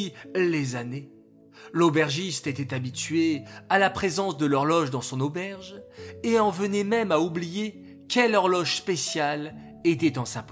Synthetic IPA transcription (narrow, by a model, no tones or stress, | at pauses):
lezane | lobɛʁʒist̪et̪ɛt̪abit̪ɥealapχezɑ̃sd̪əlɔʁlɔʒd̪ɑ̃sɔ̃nobɛʁʒeɑ̃vənɛmɛmaublije | kʲɛlɔʁlɔʒspesjal | et̪ɛt̪ɑ̃sap